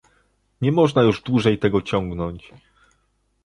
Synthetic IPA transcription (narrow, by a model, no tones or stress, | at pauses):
ɲɛmɔʐnajuʐd̪wuʐɛjt̪ɛɡɔt͡ɕɔŋɡnɔɲt͡ɕ